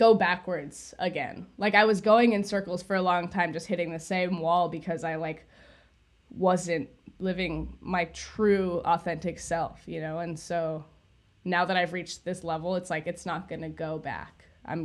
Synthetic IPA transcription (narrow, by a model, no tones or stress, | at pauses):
ɡ̥oʊbækwə˞dz̥əɡɛ̰̃nlaɪkaɪwʌzɡoʊɪ̃ŋɨ̃nsɜ˞kl̩ˠz̥fə˞əlɔ̃ŋtʰãɪ̃md͡ʒʌst̚hɪɾɪ̃ŋðɨsẽɪ̃mwɔlˠbɨkʰʌzaɪlaɪk | wʌzɨ̃nt | lɪvɪ̃ŋmaɪtʰɹ̥ʉɔθɛ̃ntɨksɛlˠfjɨnoʊɨ̃nsoʊ | naʊðəɾaɪvɹit͡ʃðɪslɛvl̩ˠətslaɪkɨtsnət̚ɡ̥ʌnɨɡoʊbæ̰kʔã̰ɪ̃m